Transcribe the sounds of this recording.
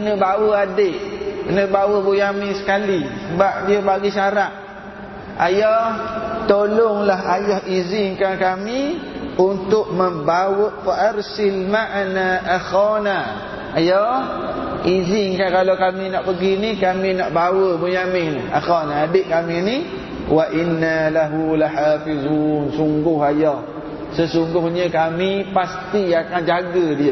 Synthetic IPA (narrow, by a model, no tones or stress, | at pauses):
kənəbawəadeʔkənəbawəbujamĩsə̥kalisəbap̚diəbaɡisaɾaʔ̪̚ | ʔa̰jɔht̪olʊŋlaɦajɔhizɪŋkankamiunt̪ʊʔ̚məmbawəʔfaʔaɾsilmaʔnaʔaxɔna | ajɔhizɪŋkankalawkaminaʔpəɡinikamĩnaʔbawəbuɲamɪnia̰xanaːdeʔkamini | waʔinːalaɦulahaːfizunsuŋɡʊhajɔh | səsuŋɡʊhɲə̃kamipast̪iakand͡ʒaɡədiə